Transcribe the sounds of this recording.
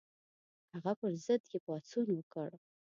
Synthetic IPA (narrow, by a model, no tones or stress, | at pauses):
aʁapʷʰrzɨdɡʲipʼat͡sʰunwakʼəɽ